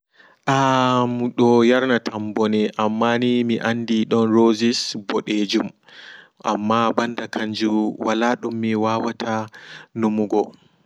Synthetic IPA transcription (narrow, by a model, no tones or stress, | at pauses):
ʔamuɗɔjaɾnatʰambɔnɛʔamːanimiʔandiɗɔnɾozisbɔɗed͡ʒum | ʔa̰mːabandakʰaɲd͡ʒuwalaɗumːiwawatʰanumuɡɔ